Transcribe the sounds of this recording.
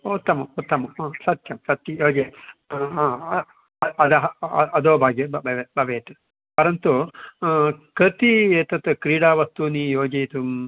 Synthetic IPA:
ut̪ːɐmɐmut̪ːɐmɐmaːsɐt̪jɐmsɐt̪jɐjoːd͡ʒɐɦaː | ɐɐd̪ɐɦɐɐd̪oːbʱaːɡjɐbɐbʱɐʋebɐʋeːt̪u | pɐɾɐnt̪u | kɐt̪ieːt̪ɐt̪ɨkɾiːɽaːʋɐst̪uniːjoːd͡ʒɐjt̪um

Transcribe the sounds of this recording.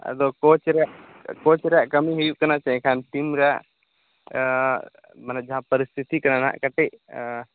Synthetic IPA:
ə̰d̪ɔkot͡ʃɾɛaʔ | kot͡ʃɾɛjaʔkəmiɦujuʔkɐnat͡ʃãɛ̃kʰanʈimɾɛaʔ | mənɛʔd͡ʒaɦãpəɾist̪ʰit̪ikɐnana̰ʔkəʈɛʔ

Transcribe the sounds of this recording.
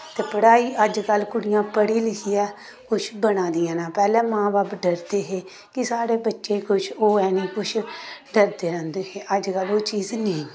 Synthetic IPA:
t̪eːpəɽaːiːʔəd͡ʒkəlːkʊɽɪjãːpəɽiːlɪkʰiːɛː | kʊt͡ʃʰbənãːd̪ijãːnãːpɛːlɛ̃ːmãːbaːpɖəɾd̪eːɦeː | kɪsaːɾeːbətːʃeːkʊt͡ʃʰoːɛːnĩːkʊt͡ʃʰɖəɾd̪eːɾə̃ːnd̪eːɦeːʔəd͡ʒkəloːt͡ʃiːznĩː

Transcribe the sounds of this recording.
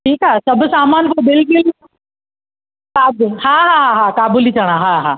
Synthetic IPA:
ʈʰiːkɦaːsɐbʱsaːmaːnt̪obɪlkʊl | kaːbɦaːɦaːɦaɦakaːbulit͡ɕɐɽ̃ãɦaɦaː

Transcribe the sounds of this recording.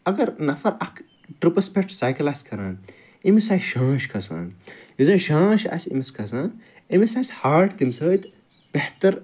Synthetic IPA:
ɐɡɐɾnɐfɐɾɐk | ʈɾupɐspek̚ʈsaːjkɐlaskʰɐɾa̰ːn | imisɐjʃãːʃkʰɐsa̰ːnjuzɐ̃ːʃãːʃɐ̰sʲḭmiskʰɐsaːn | imisasʲhaːɾʈt̪imsəːt̪ | b̥eht̪ɐɾ

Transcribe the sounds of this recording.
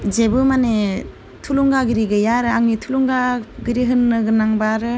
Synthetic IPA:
zebɯmane | tʰuluŋɡaɡiɾiɡɯjaɾɯaŋnitʰuluŋɡaɡiɾiɦɯnːɯɡɯnaŋbaɾɯ

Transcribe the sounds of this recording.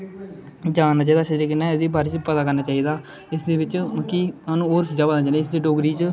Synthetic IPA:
d͡ʒaːnːaːt͡ʃaːiːd̪aːsəɾeːkɪnːɛːd̪iːbaːɾɪt͡ʃpət̪aːkəɾnaːt͡ʃaːiːd̪aː | ɪsd̪eːbɪt͡ʃməkːiːaːnũːoːɾsəd͡ʒaːpəd̪naːd͡ʒaːneːɪsd̪eːɖoːɡɾiːt͡ʃ

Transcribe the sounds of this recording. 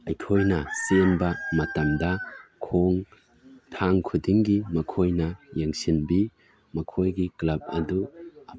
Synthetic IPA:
ɐjkʰojnɐsenbɐmɐtɐmdɐkʰoŋ | tʰaŋkʰudiŋɡimɐkʰojnɐjeŋsinbi | mɐkʰojɡiklɐb̚ɐ̰duɐ

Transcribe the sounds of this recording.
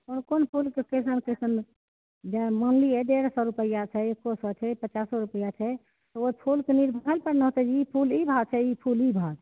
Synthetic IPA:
konkonpʰulkekesənkesən | d͡ʒemɔnliɛɖeɾsɔɾupəijat͡ʃʰɛekːosɔt͡ʃʰɛpət͡ʃasːɔɾupəjat͡ʃʰɛ | t̪ɔopʰulkeniɾbʱəɾəlpəɾnəɦt̪ɛd͡ʒiipʰulibʱat͡ʃʰɛipʰulibʱat̪ʰ

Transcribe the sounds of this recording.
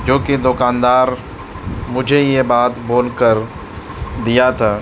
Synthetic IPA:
d͡ʒoːkid̪ʊkaːnd̪aːɾ | mʊd͡ʒʱejebaːt̪boːlkəɾ | d̪ijat̪ʰaː

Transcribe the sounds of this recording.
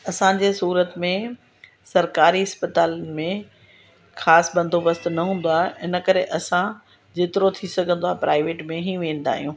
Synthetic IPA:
ɐsãd͡ʑeːsuːɾət̪mẽ | sɐɾkaːɾiɦɐspət̪aːlənɪ̆mẽ | xaːsbɐ̃nd̪ʱobɐst̪nɐɦũːn̆d̪oaːɦɪnə̆kɐɾeʔɐsã | d͡ʑeːt̪ɪɾot̪ʰisɐɡʱə̃nd̪oaːɦpɾaːɪʋeːʈmẽɦĩʋẽːn̆d̪a̰ːɦijũː

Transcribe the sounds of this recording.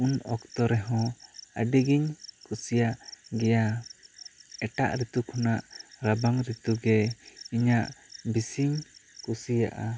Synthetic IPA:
unɔkt̪ɔɾɛɦɔ̃aɖɛɡiɲkusijaʔɡɛja | ɛʈa̰ʔɾit̪ukʰɔnaʔɾabaŋɾit̪uɡɛiɲaʔbisiɲkusija̰ʔa

